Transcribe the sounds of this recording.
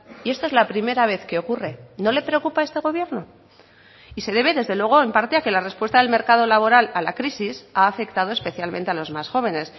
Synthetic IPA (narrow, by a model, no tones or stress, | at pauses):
ie̞st̪oe̞zlapɾime̞ɾaβ̞e̞θke̞o̞kure̞no̞le̞pɾe̞o̞kupae̞st̪e̞ɣ̞o̞β̞je̞ɾno̞ | ise̞ðe̞βe̞ðe̞zðe̞lwe̞ɣ̞o̞e̞mpaɾt̪e̞ake̞lare̞spwest̪aðe̞lme̞ɾkað̞o̞laβ̞o̞ɾalalakɾisisaːfe̞kt̪að̞o̞espe̞θjalmẽ̞nt̪e̞alo̞zmasxo̞β̞e̞ne̞s